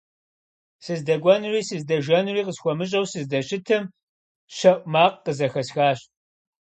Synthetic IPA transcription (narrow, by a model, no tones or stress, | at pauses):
sɨzdɐɡʷɐnriːsɨzdɐʒɐnriːqəsxʷɔmɨɕ̬ʼɐwsɨzdɐɕɪtʰɨm | ʃɐʔʷʼmaːqqəzɐxɐsxaːɕ